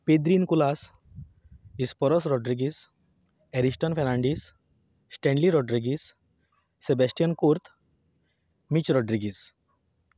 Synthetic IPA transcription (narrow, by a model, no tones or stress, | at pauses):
ped̪ɾinkulas | ispɔɾɔsɾɔɖɾiɡis | ɛɾisʈənfɛnaɳɖisː | ʈẽɳɖliɾɔɖɾiɡisː | ebɛsʈijənkuɾt̪ | mit͡ɕɾɔɖɾiɡis